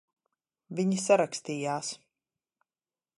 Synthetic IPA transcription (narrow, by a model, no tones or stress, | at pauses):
viɲisaɾakst̪iːjaːs